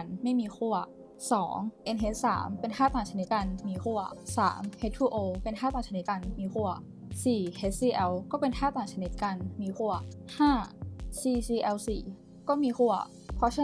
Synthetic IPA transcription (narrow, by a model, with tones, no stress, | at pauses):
nma˥˩jmiː˧xu˥˩ɐ | sɔː˩˦ŋʔe˧nʔe˦˥t̚sa̰ː˩˦mpe˧nkʰaː˥˩t̪aː˨˩nt͡ɕʰa˧ni˦t̪̚ka˧nmiː˧xu˥˩ɐsa̰ː˩˦mhe˦˥t̪ʰːuː˧˩ʔoː˧pe˧nxʰaː˥˩t̪aː˨˩nt͡ɕʰni˦˥t̪̚ka˧nmiː˧xu˥˩ɐ˩ | siː˨˩ʔe˦˥t̪̚siː˧ʔɛ˧wkɔː˥˩pe˧nkʰaː˥˩t̪aː˨˩ŋt͡ɕʰa˧ni˦˥t̪̚ka˧nmiː˧xu˥˩ɐhaː˥˩siː˧siː˧ʔɛ˧wsiː˨˩ | kɔː˥˩miː˧xu˥˩ɐ | pʰɔ˧˥t͡ɕʰa˧˥˧